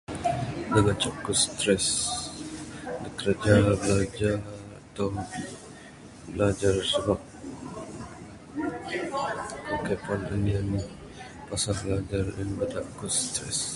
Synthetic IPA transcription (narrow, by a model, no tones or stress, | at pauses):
dəɡat͡ʃakust̪ɾɛs | dəkəɾəd͡ʒabəlad͡ʒarat̪ɔ | bəlad͡ʒarsəbap̚ | kəkɛpanəniani | pasanbəlad͡ʒarə̰nbadaʔkust̪ɾɛ̰s